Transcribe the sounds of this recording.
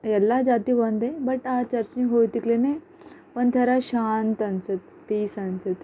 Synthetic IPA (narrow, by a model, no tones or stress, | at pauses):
jɛlːad͡zat̪iʋənd̪ebəʈat͡ɕəɾt͡ɕĩɦojt̪iklene | pəɳt̪ʰəɾaɕant̪ant͡sət̪ːisant͡sət̪